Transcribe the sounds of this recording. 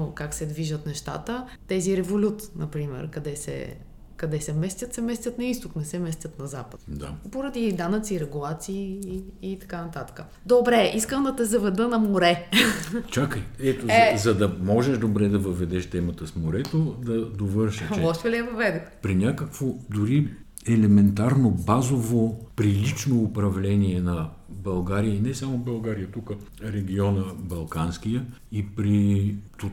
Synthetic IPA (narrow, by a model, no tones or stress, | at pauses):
okaksɛd̪viʒət̪nɛʃt̪a̰t̪ə | t̪ɛziɾɛvolʲut̪nɐpɾimɛ̰ɾkɐd̪ɛsɛ̰ | kɐd̪ɛsɛmɛst̪ʲət̪sɛmɛst̪ʲət̪nɐist̪ʊknɛsɛmɛst̪ʲət̪nɐzapət̪d̪a̰poɾɐd̪id̪anət̪siːɾɛɡulˠat̪siː | t̪ɐ̥kanɐt̪at̪ə̥kə | d̪obɾɛʔiskəmd̪ɐt̪ɛzɐvɛd̪ɤnɐmoɾɛ | t͡ʃakəjɛt̪oɛzɐd̪ɐmɔʒɛʃd̪obɾɛd̪ɐvɐvɛd̪ɛʃt̪ɛmət̪əsmoɾɛt̪od̪ɐd̪ovɤɾʃɛt͡ʃɔʃt̪ɛliɛvɐvɛd̪ʊxpɾinʲakəkvod̪ʊɾi | ɛlɛmɛnt̪aɾnobazovopɾilit͡ʃnoːpɾɐvlɛniɛnɐ | bɐlˠɡaɾijəinɛsamobɐlˠɡaɾijət̪ukə | ɾɛɡʲiɔnəbɐlˠkansk̟ijə | ipɾit̪o